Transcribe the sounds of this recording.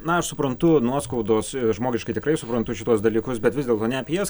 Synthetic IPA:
nɐɐʃsʊpɾɐnt̪ʊnuɔskɐʊd̪oːsʒmoːɡʲɪʃkɐɪt̪ʲɪkrɐɪsʊpɾɐnt̪ʊʃʲɪt̪uɔsd̪ɐlʲiːkʊsbʲɛt̪ʋʲɪzdʲeɛlˠt̪oːnʲɛɐpʲjɛs

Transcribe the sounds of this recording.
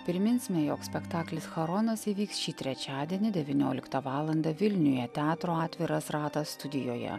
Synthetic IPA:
pʲɾʲɪmʲɪnʲsʲmʲɛjoːksʲpʲɛkt̪ɑːklʲɪsxɐɾɔːnɐsiːʋʲiːksʃʲiːt̪ʲɾʲɛt͡ʃʲɑːd̪ʲiɛnʲɪd̪ʲɛʋʲinʲoːlʲɪkt̪ɐʋɑːlˠɐnd̪ɐʋʲɪlʲnʲʊjɛt̪ʲæːt̪ɾoːɑːt̪ʲʋʲɪɾɐsɾɑːt̪ɐst̪ʊd̪ʲɪjoːjɛ̰

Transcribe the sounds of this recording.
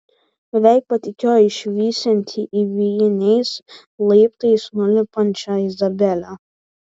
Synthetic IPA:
ɛʋʲæˑɪk̚pɐt̪ʲɪkʲoːjɪʃʲʋʲiːsʲɛnʲt̪ʲʰiʔiʋʲijɪnʲɛɪs | lˠɐɪpt̪ɐɪsnʊlʲɪpɐnʲt͡ʃʲɐɪzɐbʲɛlʲo

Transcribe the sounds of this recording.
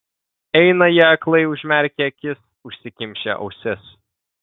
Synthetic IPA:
ɛɪnɐjɛɐklˠɐɪʊʒʲmʲɛɾʲkʲɛkʲɪs | ʊʃʲsʲɪkʲɪmʲʃʲɛ̰ʔɒ̰ʊsʲɪs

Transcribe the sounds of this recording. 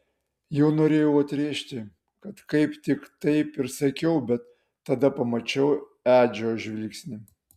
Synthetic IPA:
jɛʊnoːɾʲeːjɛʊɐt̪ʲɾʲeːʃʲt̪ʲɪ | kɐt̪kɐɪpt̪ʲɪkt̪ɐɪpɪɾsɐkʲɛʊbʲɛt̪ː | ɐd̪ɐpɐmɐt͡ʃʲɛʊ | æːd͡ʒʲoːʒʲʋʲɪlʲksʲnʲɪ

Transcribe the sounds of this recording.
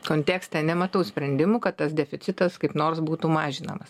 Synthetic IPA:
koːnʲt̪ʲæːksʲt̪ʲɛnʲɛmɐt̪ɐʊsʲpʲɾʲɛnʲd̪ʲɪmuːkɐt̪t̪ɐsd̪ʲɛfʲɪt̪sʲɪt̪ɐskɐɪpnoːrsbuːt̪umɑːʒʲɪnɐ̰mɐs

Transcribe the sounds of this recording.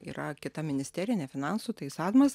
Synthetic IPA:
ḭːɾɐkʲɪt̪ɐmʲɪnʲɪsʲt̪ʲɛːɾʲɪjnʲɛfʲɪnɑnsut̪ɐɪsɑːd̪mɐs

